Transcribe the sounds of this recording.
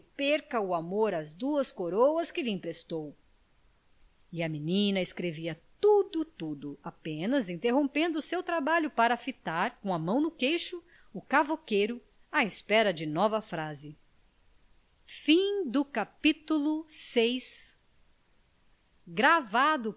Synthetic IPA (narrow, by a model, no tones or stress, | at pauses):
peɾkɐʊamoɾɐzd̪uɐskoɾowɐskɪlɪĩpɾest̪ow | ɪɐminĩnɐɪskɾeviɐt̪ud̪ʊt̪ud̪ʊapẽnɐzĩnt̪eɦõpẽnd̪ʊːsewt̪ɾabaʎʊpaɾɐfit̪aɾkõɐmɐ̃w̃nʊkejʃʊ | ʊkavokejɾʊ | aespɛɾɐd͡ʒɪnɔvɐfɾazɪ | fĩd̪ʊkapit̪ulʊsejs | ɡɾavad̪ʊ